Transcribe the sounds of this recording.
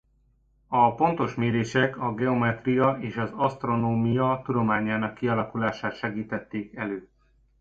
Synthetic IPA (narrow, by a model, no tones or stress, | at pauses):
ɒpo̞nt̪o̞ʃmeːɾeːʃɛkɒɡɛo̞mɛt̪rijɒʔeːʃɒzɒst̪ro̞noːmijɒt̪ud̪o̞maːɲːaːnɒkːiɒlɒkulaːʃaːt̪ʃɛɡiːt̪ɛt̪ːeːkɛløː